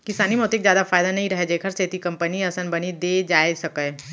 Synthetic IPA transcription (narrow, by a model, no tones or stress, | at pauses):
kɪsaːnimẽʊt̪eɪkzjaːd̪afaːjd̪anɐɦĩɾɐɦed͡ʒeːkʰɐɾseːt̪ikɐ̃mpəniɐsənbɐnid̪ed͡ʒaːesɐke